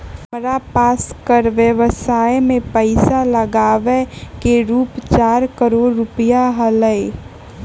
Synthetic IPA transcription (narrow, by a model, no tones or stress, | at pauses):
məɾapaːskəɾʋjəʋəsaːjmẽpəɪsaləɡaːʋekeɾuːpt͡ʃaːɾkəɾoːɾːʊpəjaɦələe